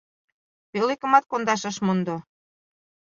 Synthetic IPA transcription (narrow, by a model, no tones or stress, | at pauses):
pelekə̆mɑt̪̚kond̪ɑʃə̆ʃmond̪o